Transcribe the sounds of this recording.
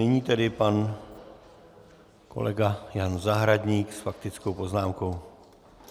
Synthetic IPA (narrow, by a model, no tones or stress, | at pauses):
ɪɲiːt̪ɛdɪpan | ko̞̰lɛɡajanzaɦɾadɲiːksfak̚t̪ɪt͡sko̞wpo̞znaːmko̞w